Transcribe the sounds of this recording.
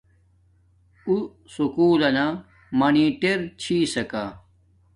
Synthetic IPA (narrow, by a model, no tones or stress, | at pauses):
u | sukuːlɐna | mɐniːʈeɾt͡ɕʰiːsɐkaː